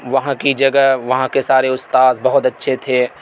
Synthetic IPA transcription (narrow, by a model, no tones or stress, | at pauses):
ʋɐɦãkid͡ʒɐɡəʋɐɦãkesaːɾeʊst̪aːzbɐɦʊt̪ɐtːʃʰet̪ʰeː